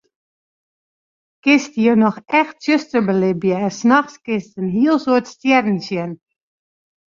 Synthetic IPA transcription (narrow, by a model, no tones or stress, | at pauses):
kɪstjənɔxɛxtsøstərbəlɪbjəɛnsnɑxskɪstənɦiəlˠsoətstjɛrn̩sjən